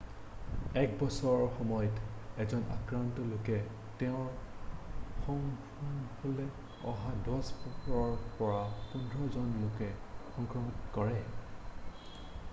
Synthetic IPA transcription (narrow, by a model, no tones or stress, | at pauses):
ɛkbɔsɔɹɹxɔmɔjɔtɛzɔnʔa̰kɹantɔlokɛ | tɛʊ̃ɹ | xɔŋ | ɔŋholɛ | ɔɦadɔspɔɹpɔɹapundʱɹɔzɔnlokɛxɔŋkɹɔmitkɔɹɛ